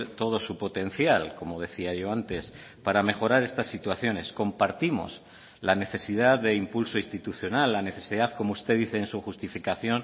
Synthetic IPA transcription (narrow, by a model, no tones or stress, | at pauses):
t̪o̞ð̞o̞supo̞t̪e̞n̟θjalko̞mo̞ð̞e̞θiaʝo̞ant̪e̞s | paɾame̞xo̞ɾaɾe̞st̪asːit̪waθjo̞ne̞sko̞mpaɾt̪imo̞̰s | lane̞θe̞sið̞aððe̞impulso̞ist̪it̪uθjo̞nalːane̞θe̞siðaðko̞moust̪e̞ðiθe̞ːnsuxust̪ifikaθjo̞n